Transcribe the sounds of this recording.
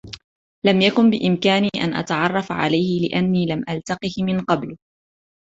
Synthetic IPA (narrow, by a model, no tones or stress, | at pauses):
lamjakʊnbɪʔɪmkaːniːʔanʔa̰t̪aʕɑrˤːɑfʕa̰lajhɪlɪ̰ʔanːiːlamʔalt̪ɑqɨhmɪnqɑblʊ